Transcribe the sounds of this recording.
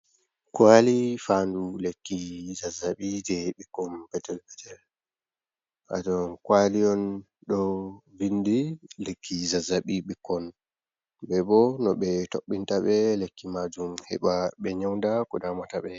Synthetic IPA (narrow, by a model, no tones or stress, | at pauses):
kwalifandulekːizazaɓid͡ʒɛɓikːɔnpɛtɛlpɛtɛl | ʔa̰dɔnkwalijɔn | ɗɔvindilekʰːizazaɓiɓikːɔn | bɛbɔnɔɓɛtoɓːintaɓɛlekːimad͡ʒumhɛ̰ɓaɓɛɲawndakɔdamataɓɛ